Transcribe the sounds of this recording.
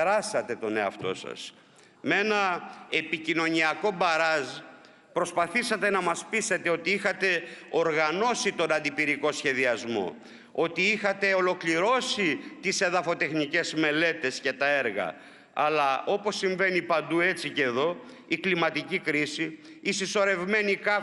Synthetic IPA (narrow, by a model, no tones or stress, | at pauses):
ɾɐsɐt̪e̞t̪o̞ne̞ɐ̰ft̪o̞̰sɐ̰s | mee̞nɐe̞picino̞niɐko̞bɐɾɐz | pɾo̞spɐθisɐt̪e̞nɐmɐspise̞t̪e̞o̞t̪iixɐt̪e̞o̞ɾɣɐno̞sit̪o̞nɐnd̪ipiɾiko̞sçe̞ðiɐzmo̞̰ | o̞t̪iixɐt̪e̞o̞lo̞kliɾo̞sit̪ise̞ðɐfo̞t̪e̞xnice̞zme̞le̞t̪e̞sce̞t̪ɐe̞ɾɣɐ̰ | ɐlɐo̞po̞sːiɱve̞nipɐnd̪ue̞t͡siceðo̞ | iklimɐt̪icikɾisiː | siso̞ɾe̞vme̞nikɐ